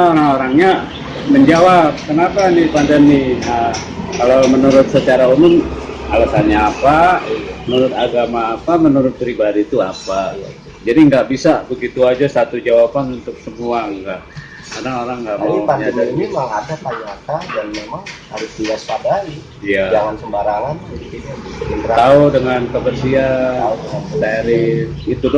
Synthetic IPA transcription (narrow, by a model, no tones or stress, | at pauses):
oɾaŋoɾaŋɲa | məɲd͡ʒawap̚kənapanɪpandənɪə | kalawmənuɾʊt̪̚sət͡ʃaɾaumʊmalasanɲaːpamənuɾʊt̪aɡamaːpamənuɾʊt̪̚pɾibadit̪uapa | d͡ʒadiŋɡaʔbisabəɡit̪uad͡ʒasat̪ud͡ʒawapanunt̪ʊk̚səmuaŋɡaʔ | kaɾaoɾaŋɡaʔmaaipaɲad̪aimimaŋadat̪ajuat̪adanmemaŋhaɾʊsbiaspadai | ijad͡ʒaŋansəmbaɾaŋankiniɪnbəɾat̪audəŋankəbərsiaat̪aɾɪfit̪udʊ